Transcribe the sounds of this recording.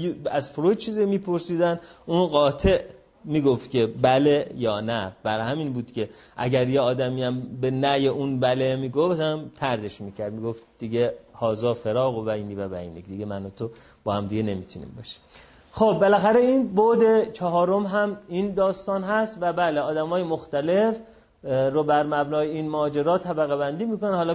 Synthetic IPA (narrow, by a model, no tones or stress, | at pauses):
jæzfoɾot͡ʃʰiːzimiːpʰo̞ɾsiːd̪ænunɢɒːt̪ʰe̞ʔ | miːɡoft̪kʲʰe̞bælejɒːnæb̥æɾhæminbuːd̪̥cʲʰe̞ʔæ̰ɟæɾjeɒːd̪æmiæmbenæjeʔunbælemiːɡoft̪æmt̪ʰæɾze̞ʃmiːcʰæɾd̪miɡo̞ft̪d̪̥iɟehɒːzɒːfe̞ɾɒːɣobæiːniːvæbæḭːnicd̪iɡemænot̪ʰo | b̥ɒːhæmd̪iɡene̞miːt̪ʰunḭmbɒːʃi̥ | xob̚ːelæxæɾeiːnbod̪e̞t͡ʃʰɒɦɒːɾo̞mɦæmind̪ɒːst̪ɒːnɦæst̪væbæːleɒːd̪æmɒːjemo̞xt̪æle̞f | ɾobæɾmæbnɒːjeinmɒːd͡ʒeɾɒːt̪ʰæbæɣebænd̪iːmiːkonæhɒːlɒː